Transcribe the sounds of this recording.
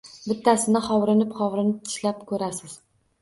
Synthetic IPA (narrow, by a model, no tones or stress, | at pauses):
bɪt̪ːasɪnɪχɒwɾɪnɪpχɒwɾɪnɪp̚t̪ʰɪ̥ʃlap̚kʰɵɾasɪz̥